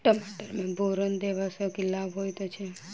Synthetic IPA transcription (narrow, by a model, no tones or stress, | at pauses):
ʈəmaʈəɾmẽbʱoɾənd̪eʋasokilabɦojt̪ot͡ʃʰe